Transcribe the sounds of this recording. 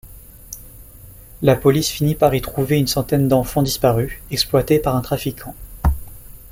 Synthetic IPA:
lapɔlisfinipaʁit̪χuveynsɑ̃t̪ɛnd̪ɑ̃fɑ̃d̪ispaʁyɛksplwat̪epaʁɛ̃t̪χafikʰɑ̃

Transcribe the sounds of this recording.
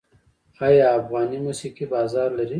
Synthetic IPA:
aːjaːfɣɑːnimusiqibɑːzɑːɾlɐɾi

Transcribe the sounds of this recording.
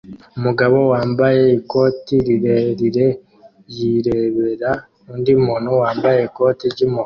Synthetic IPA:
umuɡaβo̞waːmbaje̞iko̞tiɾiɾeɾiɾe̞ | jiɾe̞βe̞ɾa | uːndimuːnhuwaːmbaje̞iko̞tiɾɟimo

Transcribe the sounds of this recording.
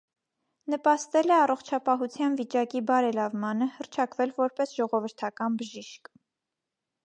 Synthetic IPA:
nəpɑst̪ɛlɛɑrɔχt͡ʃʰɑpɑɦut͡sʰjɑnvit͡ʃɑkibɑɾɛlɑvmɑnəhərt͡ʃʰɑkvɛlvɔɾpɛsʒɔʁɔvəɾt̪ʰɑkɑnbəʒiʃk

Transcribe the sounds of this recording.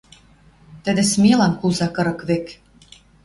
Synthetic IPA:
t̪ə̆d̪ĕsmʲelɑnkulzɑkɤ̆ɾɤ̆kβek

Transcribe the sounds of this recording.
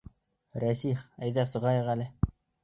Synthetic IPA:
ɾæsiχæjðæsɤ̆ʁɑjɤʁælɘ

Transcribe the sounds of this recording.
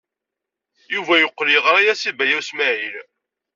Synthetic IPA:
juvæjoqːliʁɾˤajæsibæjæwsmæʕil

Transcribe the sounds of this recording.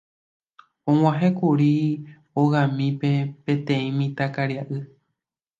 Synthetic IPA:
õw̃ãɦekuɾi | oɣãmĩpe̞pẽ̞t̪ẽĩmĩt̪akaɾjaʔɨ

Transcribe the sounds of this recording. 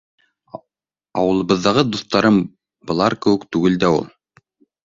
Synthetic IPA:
ɑwɤ̆lˠɤ̆βɤ̆ðːɑʁɤd̪uθt̪ɑɾɤm | bɤ̆lˠɑɾkɘ̆wɘkt̪ʉɡɘld̪æṵlˠ

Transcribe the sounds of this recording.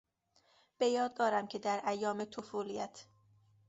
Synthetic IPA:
b̥e̞jɒːd̪̚d̪ɒːɾæmcʰe̞d̪æɾʔæjːɒːmet̪ʰofuːlijæt̪ʰ

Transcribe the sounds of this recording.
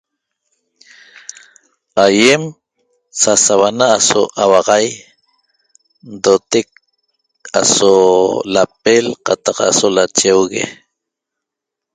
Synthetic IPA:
ajem | sasawanaːsoʔawɑʁɑj | nd̪ot̪ek̚ | a̰solap̚elqɑt̪ɑqa̰solat͡ʃewɣḛ

